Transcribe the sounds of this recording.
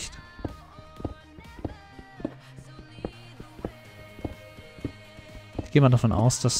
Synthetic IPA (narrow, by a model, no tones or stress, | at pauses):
çt | ɡ̥eːəmandafɔnʔa̰ʊsd̥as